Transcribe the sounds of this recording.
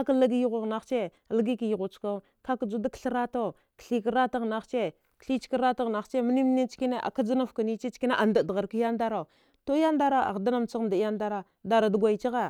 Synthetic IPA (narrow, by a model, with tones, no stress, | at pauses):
a˦ka˦lə˦ɡi˦ji˦ɣʷa˨ɣna˦xt͡ʃe˦˨ | lə˦ɡi˦ki˨ji˨ɣu˨t͡ʃka˦ | ka˦kə˨d͡zu˦da˦kɬə˦ɾa˦ta˦˨ | kə̥˨ɬi˦kə˦ɾa˦ta˦ɣna˦xt͡ʃe˦ | kɬi˦t͡ʃi̥˦kə˦ɾa˦ta˦ɣna˨xt͡ʃe˦mə˦ni˦mə˦ni˦t͡ʃki˦ne˦ʔa̰˨ka˦d͡zə˦na˦fkə˨ni˦t͡ʃi˦t͡ʃki˦na˦ʔa˨nda˨dɣa˨ɾkə˦ja˦nda˦ɾa˨ | to˦ja˦nda˦ɾa˦ʔa̰˨da˦na˦m˨t͡sa˦ɣda˨ja˦nda˦ɾa˦ | da˨ɾa˨də˨ɡʷa˨i˨t͡ʃi˦ɣa˦